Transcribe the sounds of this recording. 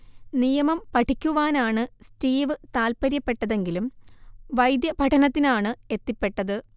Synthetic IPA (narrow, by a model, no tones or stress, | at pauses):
nijɐmɐmpɐʈʰikʲːuʋaːnaːɳɨsʈiːʋɨt̪aːlpɐɾjɐpːe̞ʈːɐðe̞ŋɡilumʋɐjd̪jɐbʱɐʈʰɐnɐt̪ːinaːɳɨe̞t̪ːipːe̞ʈːɐðɨ